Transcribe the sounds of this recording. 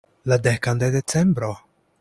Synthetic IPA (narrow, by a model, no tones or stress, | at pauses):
lad̪ɛkand̪ed̪et͡sɛmbɾo